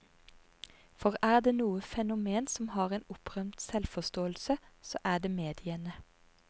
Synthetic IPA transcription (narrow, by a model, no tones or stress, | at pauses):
fɔʁæːd̪eːnuːəfɛnʊmeːnsɔmhɑːʁeːnʊpʁœmt̪sɛlfɔst̪oːəlsəso̰ːʔæːd̪eːmeːd̪ɪənə